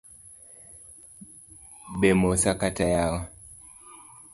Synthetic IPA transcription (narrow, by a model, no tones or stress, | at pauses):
bemosakatajawɔ